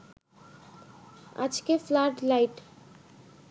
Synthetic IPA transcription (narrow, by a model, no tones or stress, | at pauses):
a̰d͡ʑkeflaɾɖlajʈ